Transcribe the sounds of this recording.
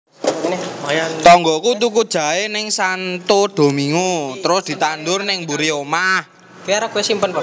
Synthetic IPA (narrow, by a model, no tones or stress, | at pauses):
njt̪ɔŋɡɔkut̪̬ukud̥ʒ̥a̤enɪŋsant̪od̪̥o̤miŋut̪əɾʊsd̪̥i̤t̪and̪ʊrnɪŋmbuɾiomah | kiaɾakuasimpənpa